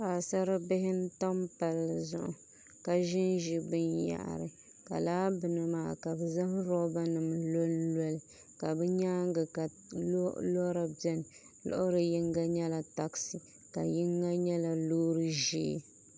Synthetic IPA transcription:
pa˨sa˦ɾɨ˦bɪ˦ɦɪ˦n̩˦tɔ˦mpa˨lːzʊ̰˦ʔʊ̰˨ | ka˨ʒɪ˦nʒi˦bɨ˦nja̰˨ʔɾɨ̰˨ | ka̰˨laː˦bɨ˨nɨ˨maː˨ka˨bɛ˨za˦hɾɔ˦ba˦nɨ˨mlo˦llɛ˦lɪ˨ | ka˨bɛ˦ɲaː˦ŋ˦ɡɨ˨ka˨˦ | lɔ˦ɾa˨bɛ˦n˨ | lʊ̰˦ʔʊ˦ɾɨ˨ji˦ŋɡa˦ɲɛ˦la˨ta˨ksi˨ | ka̰˨ji˦ŋɡa˦ɲɛ˦la˨loː˦ɾɨ˦ʒḛː˦

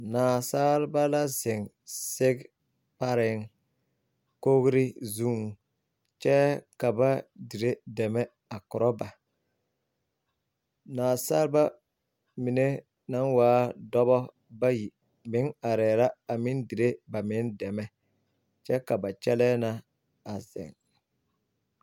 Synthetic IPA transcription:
naː˨saː˦lba˦la˦zɪ˨ŋ | sɪ˦ɡ | pa˦ɾɪ˨ŋ | ko˦ɣɾɪ˦zu˦ŋ | t͡ʃɛ˦ka˨ba˦di˨ɾe˦dɛ˨mɛ˦ | a˨kʊ˨ɾɔ˦ba˨ | naː˨saː˦lba˦ | mi˨ne˦ | na˦nwaː˦dɔ˦bɔ˦ | ba˦ji˨ | mɪ˦ŋa˨ɾɛː˨ɾa˦a˨mi˦ndi˨ɾe˦ba˨mɪ˨˦ndɛ˨mɛ˦ | t͡ʃɛ˦ka˨ba˨t͡ʃɛ˦lɛː˦na˦ | a˨zɪ̰˨ŋ

